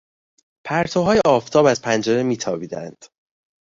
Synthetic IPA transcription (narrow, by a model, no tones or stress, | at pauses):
pʰæɾt̪ʰoɦɒːjeɒːft̪ʰɒːbæzpʰænd͡ʒeɾemiːt̪ʰɒːbiːd̪æ̰nd̪̥